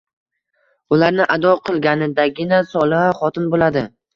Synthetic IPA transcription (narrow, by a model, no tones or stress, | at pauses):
ʊlaɾnɪʔad̪ɒqʰɨlˠɡʲanɪd̪aɡʲɪnasɒlˠɪhaχɒt̪ʰɪnbolad̪ɪ